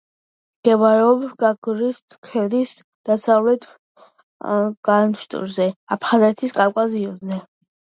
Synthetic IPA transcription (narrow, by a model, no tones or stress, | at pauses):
mɡ̥ɛvaɾɛɔbɡaɡɾist̪ʰkʰɛlis | d̪̥asavlɛt̪ʰ | ɡ̥anʃt̪ʼṵɾzɛapʰχazɛt̪ʰiskʼalkʼaziɔzɛ